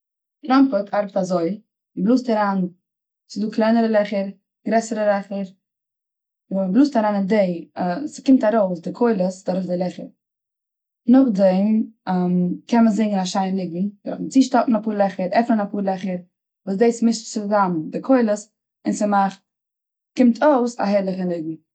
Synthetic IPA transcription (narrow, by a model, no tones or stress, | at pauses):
tɾɔmpətaɾbətazoɪ | blˠuːstaɾaːn | sɪduːklˠaɪnəɾəlˠɛχəɾ | ɡ̥ɾɛsəɾəlˠɛχəɾ | blˠuːstaɾaːnɪndeɪsɪ̥kɪmtaɾoʊsdɪkʰoɪlˠəsdaɾoʊszdɪlˠɛχə̰ɾ | nʊχdɛmmkɛnməzɪŋɡənaʃaɪnlɪɡm̩d̥ɾɔχn̩t͡siːʃtɔtn̩apuːɾlˠɛχəɾɛfnənapuːɾlˠɛχəɾ | vuːsdeɪsmɪst͡sɪzamdɪkʰoɪlˠəs | ɪnsəmaχt | kɪmtʰoʊsa̰ɦɛɾlˠəχənɪɡ̚m̩